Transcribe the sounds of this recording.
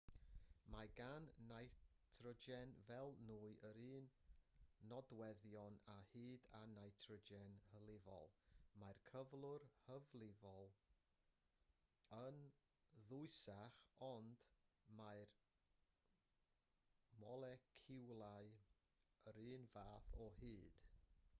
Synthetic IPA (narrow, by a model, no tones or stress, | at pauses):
maɡanːajtʰrɔd͡ʒɛnvɛlˠnuːɨʔəɾiːnː | ɔdwɛðjɔnahɨːdanajtʰrɔd͡ʒɛnhəlˠɪvɔ̰lˠmajrkʰəvlˠʊrhəvlˠɪvɔlˠ | ən | ðʊɨsaχɔnd̥maɨr | mɔlˠɛkʰɪwlˠaɨ | əɾiːnvaːθɔhɨːd̥